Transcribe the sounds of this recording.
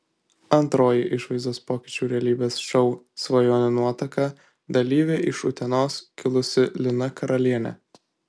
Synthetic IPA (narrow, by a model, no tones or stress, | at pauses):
ɐnt̪ɾoːjɪʔɪʃʋɐɪzd̪oːspoːkʲɪːt͡ʃʲuːɾʲɛɐlʲiːbʲeːsʃɐʊsʋɐjoːnʲɪnuɔt̪ɐkɐ | d̪ɐlʲiːʋʲeːʔɪʃʊt̪ʲɛnoːskʲɪlˠʊsʲɪlʲɪnɐkʰɐɾʔɐlʲiɛnʲɛ̰